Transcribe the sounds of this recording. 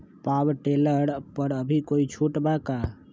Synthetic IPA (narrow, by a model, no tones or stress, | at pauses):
pawʈeləɾpəɾəbʱikoit͡ʃʰuʈbaka